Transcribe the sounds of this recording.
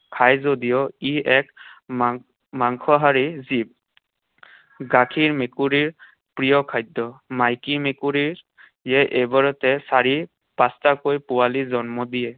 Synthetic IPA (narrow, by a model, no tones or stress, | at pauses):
kʰajzodijɔiɛk | maŋkʰɔɦaɹizib̚ | ɡakʰiɹmekuɹiɹ | pɹijɔkʰajdɔmajkimekuɹiɹ | jɛʔebaɹɔtɛsaɹi | pastakojpuwalizɔnmɔdijɛ